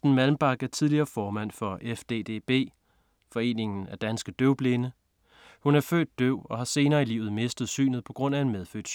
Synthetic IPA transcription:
d̥n̩mælm̩b̥ɑ̈ɡ̥æɐt͡sʰið̞ˠliɐːfɒːmæn̰fɒ̽efd̥ḛːd̥e̝̰ːb̥e̝̰ː | fɒ̽e̝̰ːne̝ŋn̩æd̥ænsɡ̥əd̥øʊb̥le̝ːnə | hunæɐfø̰ːd̥̚ːøʊ̰ɒ̽hɑ̈se̝ːnɐːilḭʊð̩ˠme̝sd̥ð̩ˠsy̰ːnð̩ˠpʰɒ̽ɡ̥ʁɔ̽n̰æe̝nmeð̞ˠfø̰ːd̥s

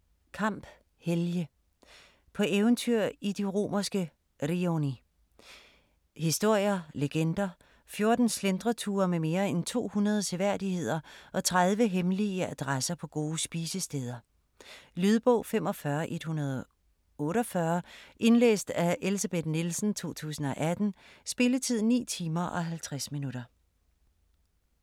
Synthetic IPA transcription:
kʰɑ̈m̰b̥ | heljə | pʰɒ̽ʔeːʊnt͡sʰyɐ̰id̥iʁo̝̰ːmɐsɡ̥ə | ʁioni | hisd̥o̝ɐ̰jɐleɡ̥end̥ɐ | fjo̝ɐd̥n̩slend̥ʁɐt͡sʰuːɐmeme̝ːɐent͡sʰo̝̰ːhunɐð̞ˠət͡sʰe̝ʋæɐ̰dihe̝ð̞̰ˠɐʔɒ̽t͡sʰʁaðˠʋəɦemliəæd̥ʁasɐpʰɒ̽ɡ̥o̝ːsb̥iːsəsd̥eːð̞ˠɐ | lyð̞ˠb̥ɔʊ̰femɒ̽fɶɐʔe̝d̥hunɐð̞ˠɒ | ɔ̽ːɾɒfɶɐʔe̝nlḛːsd̥æelisæb̥e̝d̥nilsn̩t͡sʰo̝̰ːt͡sʰṵːsn̩ɒ̽ʔæd̥n̩sb̥e̝lət͡sʰið̞̰ˠnḭːt͡sʰiːmɐʔɒ̽ɦælt͡sʰʁasminuɾ̥ɐ

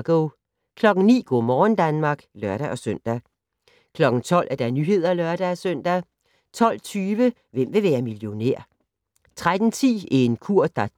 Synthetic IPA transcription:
ɡ̥o | kʰlɒ̽ɡ̥n̩nḭːɡ̥ɔ̰ːmɒːn̩d̥ænmɑ̈ɡ̥lœɐɾ̥æʔɒ̽søn̰d̥æ | kʰlɒ̽ɡ̥n̩t͡sʰɒ̽l̰ʔæɐd̥ænyɦe̝ð̞̰ˠɐlɶɐɾ̥ææsøn̰d̥æ | t͡sʰɒ̽l̰t͡sʰyːʋə | ʋem̰ʋe̝ʋæːɐmiljo̝nḛɐ̰ | t͡sʰʁad̥n̩t͡sʰḭːæe̝nkʰuɐ̰d̥ɑ

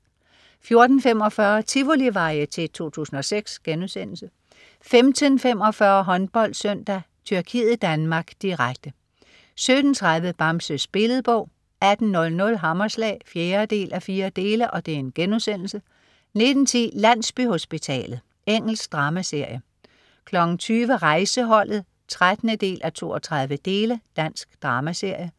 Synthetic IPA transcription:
fjo̝ɐd̥n̩fem̰ɒ̽fɶːɐt͡sʰiʋo̝liʋɑ̈ɪət͡sʰe̝t͡sʰo̝̰ːt͡sʰṵːsn̩ɒ̽seɡ̥sɡ̥enuðˠsen̰l̩sə | femd̥ʰənfem̰ɒ̽fɶɐɦɒ̽nb̥ɒ̽l̰d̥søn̰d̥æ | t͡sʰyɐkʰiːð̩ˠd̥ænmɑ̈ːɡ̥d̥iʁaɡ̥̚d̥ə | sød̥n̩t͡sʰʁɑ̈ðˠʋəb̥ɑ̈msəsb̥e̝ləð̩ˠb̥ɔ̽ʊ̰ | æd̥n̩ːɔ̽lnɔ̽lɦɑmɐslɛ̰ːfjeːɐd̥e̝̰ːlʔæfiːɐd̥e̝ːləʔɒ̽d̥e̝æɐe̝nɡ̥enusen̰l̩sə | ne̝d̥n̩t͡sʰḭːlæn̰sb̥yho̝sb̥it͡sʰɛ̰ːlð̩ˠ | eŋ̰l̩sɡ̥d̥ʁɑ̈ːmæse̝ɐ̰jə | kʰlɒ̽ɡ̥n̩t͡sʰyːʋəʁɑ̈ɪsəɦɒ̽l̰ð̩ˠ | t͡sʰʁad̥nəd̥e̝̰ːlʔæt͡sʰo̝ːɒt͡sʰʁɑ̈ð̞ˠʋəd̥e̝ːləd̥æn̰sɡ̥d̥ʁɑ̈ːmæse̝ɐ̰jə

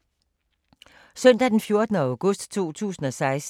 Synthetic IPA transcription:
sœn̰d̥æd̥enfjo̝ɐd̥ənəʊɡ̥ɔ̽sd̥t͡sʰo̝̰ːt͡sʰṵːsn̩ɒ̽sɑ̈ɪs

